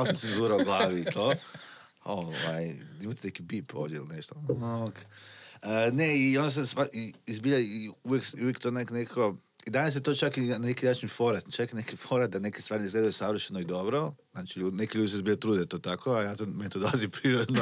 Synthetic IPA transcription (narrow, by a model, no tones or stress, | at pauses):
aosant̪enzuɾaoɡlˠaːʋiːt̪ʰoː | oʋajimat̪enekibipo̰d̪jeḭlineʃt̪ookəneiond̪as̬esʋaiizbiʎaiuʋjekujekt̪oːneknekako | id̪anas̬jet̪ot͡ʃakinekinaːt͡ʃnifo̞ɾat̪t͡ʃakinekifo̞ɾat̪̚d̪ane̞kest̪ʋaːɾineizɡled̪ajusaʋr̩ʃenoid̪o̞bɾoznaːt͡ʃiʎune̞kiʎuːd̪iseizbiʎat̪ɾud̪et̪oːt̪akʰoajaːt̪omenet̪od̪olˠazipɾiːɾod̪no